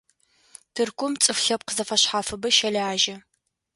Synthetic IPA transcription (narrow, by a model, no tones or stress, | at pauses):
tʰɨrkʷʰʼʊmt͡sʼɨfɬɐp̚qəzɐfɐɕħaːfɨbɐʃɐlaːʒɐ